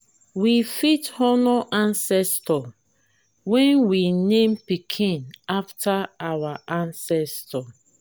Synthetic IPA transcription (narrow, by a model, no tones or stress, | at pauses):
wifithɔnɔʔãnsɛstʰɔ | wɛ̃nwinẽmpikʰĩnaftʰaawaʔãnsɛstʰɔ